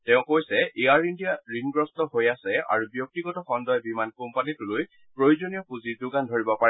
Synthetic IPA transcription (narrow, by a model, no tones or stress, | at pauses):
tɛʊ̃kojsɛʔeaɹindijaɹimɡɹɔstɔɦojasɛa̰ɹubjɔk̚tiɡɔtɔxɔndɔjɔbimankumpanituloj | pɹojozonijɔkuziɹdʊɡandʱoɹibɔpaɹɛ